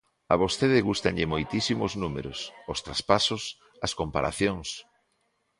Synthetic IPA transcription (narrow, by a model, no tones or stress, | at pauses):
aβosθeðɪɣust̪aɲʎɪmojt̪isimoznumḛɾʊsost̪ɾaspasʊs | ɐskompa̰ɾa̰θjoŋs